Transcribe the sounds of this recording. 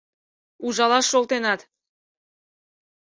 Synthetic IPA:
uʒɑlɑʃːolˠt̪enɑt̪

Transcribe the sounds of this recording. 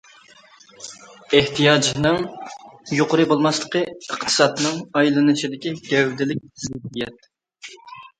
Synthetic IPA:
eht̪ʰijɑd͡ʒnɨŋ | joqʊɾɨbolˠmɑslˠəqʰəəqt̪ʰɨ̥sɑt̪nɨŋɑjlˠɨnɨt͡ʃʰid̪ɪkʲiɡ̥ʲɛwd̪ɪlɪk̚ʲzɪhijɛt̪

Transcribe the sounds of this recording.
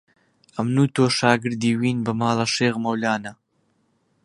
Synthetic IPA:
ɐmnuːt̪oːʃaːɡɨɾd̪iːwiːnbɐmaːlɐʃeːɣmɐwlaːnɐ

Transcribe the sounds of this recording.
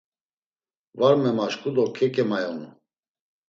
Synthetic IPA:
vaɾmɛmaʃkʼud̪ɔkʰɛkʼɛmajɔnṵ

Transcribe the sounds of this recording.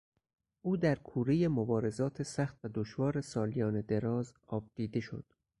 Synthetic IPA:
ʔuːd̪æɾkʰuːɾeje̞mobɒːɾe̞zɒːt̪ʰesæxt̪væd̪oʃvɒːɾe̞sɒːlijɒːned̪e̞ɾɒːzɒːb̚d̪̥iːd̪e̞ʃo̞̰d̪̥

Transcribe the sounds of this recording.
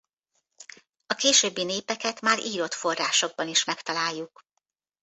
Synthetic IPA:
ɒkeːʃøːbːineːpɛkɛt̪maːɾiːɾo̞t̪fo̞rːaːʃo̞ɡ̚bɒniʃmɛkt̪ɒlaːjːuk

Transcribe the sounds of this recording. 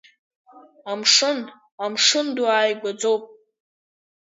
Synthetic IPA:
amʂɨn | amʂɨnduaːjɡʷad͡zo̞wpʼ

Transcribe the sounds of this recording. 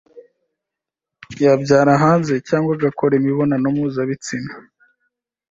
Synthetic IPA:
jabɟaːɾaɦaːnze̞caːŋɡwaɡakʰoɾemiβo̞nanomuːzaβit͡sina

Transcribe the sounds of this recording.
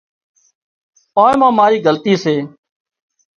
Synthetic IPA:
oːẽːmãːmaːɾiːɡəlt̪iːseː

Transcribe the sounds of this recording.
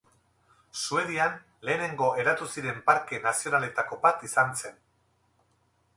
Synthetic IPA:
sue̞ðian | le̞ːne̞ŋɡo̞ʔe̞ɾat̪usiɾe̞mpaɾke̞nasio̞nale̞t̪ako̞βat̪isanse̞n

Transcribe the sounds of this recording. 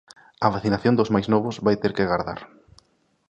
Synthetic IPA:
ɐβaθinaθjond̪ʊzmajznɔβʊzβajt̪eɾkeɣaɾða̰ɾ

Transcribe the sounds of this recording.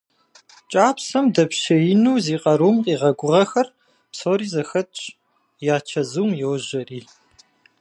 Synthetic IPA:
t͡ʃʼaːpsɐmdɐpɕɐjɪnuːziːqʼɐɾuːmqʼiːʁɐɡʷʊʁɐxɐr | psoːɾiːzɐxɐtʼt͡ʃʼ | jaːt͡ʃʰɐzuːmjoːʒɐriː

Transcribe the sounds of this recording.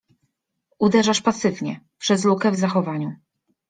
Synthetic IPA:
ud̪ɛʐaʂpasɘvɲɛpʂɛzlukɛvzaxɔvaɲu

